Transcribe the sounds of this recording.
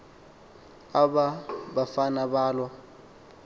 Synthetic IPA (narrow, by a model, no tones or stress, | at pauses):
aɓaɓafanaɓaːlwa